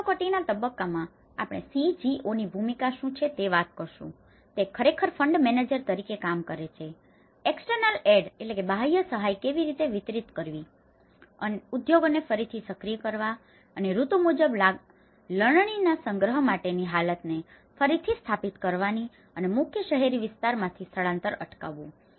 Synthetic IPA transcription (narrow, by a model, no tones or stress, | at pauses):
kəʈinat̪əbəkːamã | a̰pɽ̃ḛsĩd͡ʒiʔonibʱumikaʃũt͡ʃʰet̪eʋat̪̚kəɾʃṵ̃ | t̪ekʰəɾekʰəɾfʰəɳɖmened͡ʒəɾt̪əɾikekamkəɾet͡ʃʰe | eksʈəɾnəleɖelekebʱajəsəɦajkeʋiɾit̪eʋɪt̪ɾit̪kəɾʋi | ənud̪joɡnefəɾit̪ʰisəkɾijəkəɾʋa | əneɾut̪umud͡ʒəbla | ləɳɳ̃inasəŋɡɾəɦəmaʈeniɦalət̪ne | fəɾit̪ʰist̪ʰapit̪kəɾʋani | ənemʊkʰjəʃəɦeɾiʋɪst̪aɾmãt̪ʰist̪ʰəɭãnt̪əɾə̰ʈka̰ʋũ